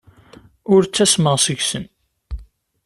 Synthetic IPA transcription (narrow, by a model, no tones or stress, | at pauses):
ʊɾt͡sːæsməʁsəʝsən